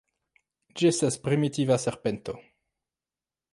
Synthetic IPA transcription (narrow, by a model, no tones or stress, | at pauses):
d͡ʒiestaspɾimit̪ivaseʁpent̪o